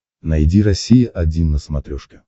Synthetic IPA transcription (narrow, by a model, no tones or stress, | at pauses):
nɐjdʲiɾɐsʲijəʔɐdʲinːəsmɐt̪ɾʲɔʂkʲɪ